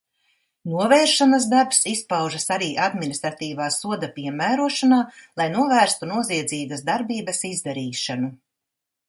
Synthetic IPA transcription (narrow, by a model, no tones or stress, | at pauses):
nuɔvɛːɾʃanaz̬d̪aɾpsispawʒasaɾiːʔad̪minist̪ɾat̪iːvaːsuɔd̪apiɛmæːɾuɔʃanaːlˠajnuɔvæːɾst̪unuɔziɛd̪ziːbɐzd̪aɾbiːbɐsizd̪aɾiːʃanu